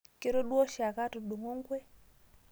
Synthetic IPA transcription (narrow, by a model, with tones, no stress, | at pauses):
ke˦ɾo˦ɗu˦ɔ˦ʃa˨ka˦tu˨ɗu˨ŋo˦ŋ˦ɡwɛ˦